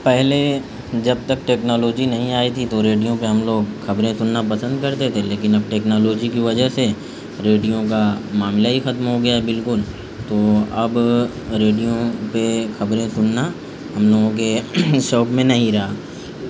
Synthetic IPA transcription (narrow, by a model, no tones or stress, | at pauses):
pɛɦle | d͡ʒɐb̚t̪ɐk̚ʈɛːknɔːloːd͡ʒinɐɦĩaːit̪ʰit̪oɾeːɖijõpeɦɐmloːɡxɐbɾẽsʊnːapɐsə̃nd̪̚kɐɾt̪et̪ʰeleːkɪnɐb̚ʈeːknɔːloːd͡ʒikiʋɐd͡ʒəɦse | ɾeːɖijõkamaːmlaɦixɐt̪mɦoɡɐjaɦɛbɪlkʊl | t̪oɐb | ɾeːɖijõpexɐbɾẽsʊnːa | ɦɐmloːɡõk̬eʃɔːkmẽnɐɦĩɾɐɦaː